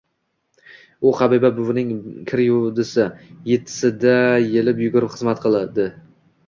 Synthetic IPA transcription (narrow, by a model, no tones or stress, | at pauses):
ʊqʰɑbibabʊvnɪŋkʲʰɪɾjʊd̪ɪsɪjet̪ʰːɪ̥sɪd̪ajelɪpjʊɡʊɾɪpχɨzmat̪qʰɨlˠad̪ɪ